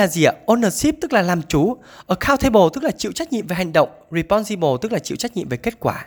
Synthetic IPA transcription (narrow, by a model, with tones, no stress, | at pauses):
aː˨˩zi˧˨əʔo˧nəː˨˩t̚si˦˥p̚t̪ɨ˦˥k̚laː˨˩laː˨˩mt͡ɕu˨˦ | ʔʔəː˧˩xʰaː˧wt̪ʰe˧ɓo˨˩t̪ɨ˦˥k̚laː˨˩t͡ɕḭ˧˨wt͡ɕa˦˥k̚ɲḭ˧əmve˨˩ɦa˨˩jŋ̟ɗə̰˧˨wŋ͡mɹi˨˩pɔ˧nzi˧ɓo˨˩t̪ɨ˦˥k̚laː˨˩t͡ɕḭ˧˨wt͡ɕa˦˥k̚ɲḭ˧˨mve˨˩ke˦˥t̚kwaː˧˩